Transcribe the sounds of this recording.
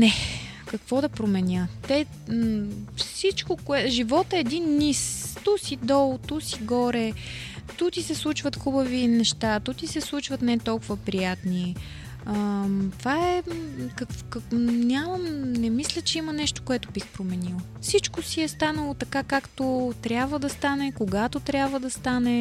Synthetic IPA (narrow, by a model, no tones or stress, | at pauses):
nɛ | kɐkvɔd̪ɐpɾomɛnʲjət̪ɛ | fsit͡ʃkokoɛʒivɔt̪ɛːd̪inːist̪usid̪ɔlˠt̪usiɡɔɾɛt̪ut̪isɛslˠut͡ʃvət̪xubəvinɛʃt̪at̪ut̪isɛslˠut͡ʃvɐt̪nɛt̪ɔlˠkʊvəpɾijat̪ni | ət̪vaɛkɐkvknʲaməmnɛmislʲət͡ʃɛimɐnɛʃt̪o̥koɛt̪obixpɾomɛnilˠ | fsit͡ʃkosiɛst̪anəlˠot̪ɐkakakt̪ot̪ɾʲabvəd̪ɐst̪anɛkoɡat̪ot̪ɾʲjabvəd̪ɐst̪anɛ